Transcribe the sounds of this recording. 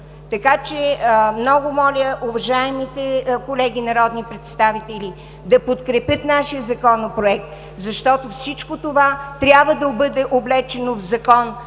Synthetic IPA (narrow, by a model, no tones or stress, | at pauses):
t̪ɐkat͡ʃɛmnɔɡʊmɔlʲəʊvɐʒaɛmit̪ɛkolɛɡʲinɐɾɔd̪nipɾɛt̪st̪avit̪ɛlʲi | d̪ɐpot̪kɾɛpʲjɤt̪naʃijəzɐkɔnopɾoɛk̚t̪ | zɐʃt̪ɔt̪ofsit͡ʃkot̪ovat̪ɾʲabvəd̪ɐbɤd̪ɛʔoblɛt͡ʃɛnovzɐkɔn